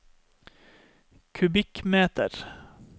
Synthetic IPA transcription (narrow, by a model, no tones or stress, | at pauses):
kʰʉbɪkmeːt̪ə̰ɾ